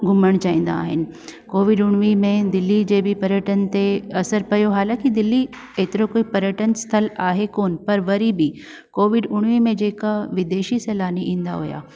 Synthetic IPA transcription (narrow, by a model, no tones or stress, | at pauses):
ɡʱʊməɽ̃t͡ɕaːĩːn̆d̪a̰ːɦɪnɪ̆koːʋɪɖʊɽ̃ʋimẽd̪ɪlːid͡ʑeːbɪpɐɾjəʈənt̪eɐsəɾpɐjoɦaːlãːkid̪ɪlːi | eːt̪ɪɾokoːipɐɾjəʈənst̪ʰəlaːɦekoːnpɐɾʋɐɾibɪ | koːʋɪɖʊɽ̃ʋimẽd͡ʑeːkaʋɪd̪eːʃiseːlaːniʔĩːn̆d̪a̰ɦʊja̰ː